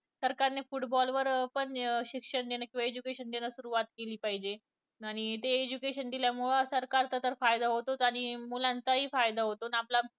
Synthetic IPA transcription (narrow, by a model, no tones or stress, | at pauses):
səɾkaɾnefuʈbɔlʋəɾpəɳɕikʂəɳd̪enakĩʋaed͡ʑukeɕənd̪enasuɾuʋat̪keliːpaɦid͡ʑe | aɽ̃it̪eːd͡ʑukeɕənd̪iljamuɭsəɾkaɾt̪at̪əɾfajd̪aɦot̪ot̪aɽ̃imulãnt͡saɦiːfajd̪aɦot̪onapla